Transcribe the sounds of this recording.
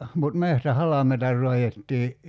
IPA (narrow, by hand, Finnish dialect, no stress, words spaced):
mut mehtæhɑlɑmeitɑ rˑoɑjetːiː